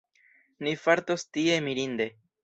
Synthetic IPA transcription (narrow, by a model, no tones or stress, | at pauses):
nifaɾt̪ost̪iemiɾind̪e